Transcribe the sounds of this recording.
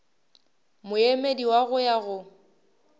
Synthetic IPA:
mʊemediwaɣʊjaɣʊ

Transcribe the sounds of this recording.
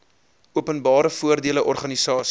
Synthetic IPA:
uəpənbɑːɾəfuərdiələʔɔrχɐnisɑːs

